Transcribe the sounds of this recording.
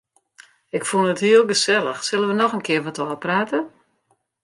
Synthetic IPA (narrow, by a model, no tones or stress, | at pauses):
ɪkfunˠəthiəlˠɡəsɛlˠəxsɪlˠənʋənɔxənkʰɪəʋɔtoːpraːtə